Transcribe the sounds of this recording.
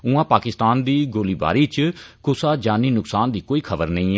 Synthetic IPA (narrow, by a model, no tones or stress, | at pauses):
ʊãːpaːkɪst̪aːnd̪iːɡoːliːba̰ːɾiːt͡ʃkʊsaːd͡ʒaːniːnʊksaːnd̪iːkoːiːkʰəbəɾnə̃ĩːɛ